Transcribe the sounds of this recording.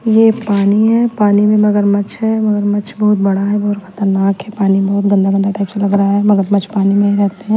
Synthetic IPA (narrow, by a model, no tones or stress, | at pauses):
jepaːniɦɛpaːnimẽmɐɡəɾmɐt͡ʃʰɦɛmɐɡəɾmɐt͡ʃbɔɦʊt̪̚bɐɽaɦɛbɔɦʊt̪xʰɐ̥t̪əɾnaːkɦɛpaːnibɔɦʊt̪̚ɡɐ̃nd̪ʱaɡə̃nd̪ʱaʈaːɪpselɐɡɾaaɦɛmɐɡəɾmɐt͡ʃʰpaːnimẽɾɛɦt̪eɦɛ̃ː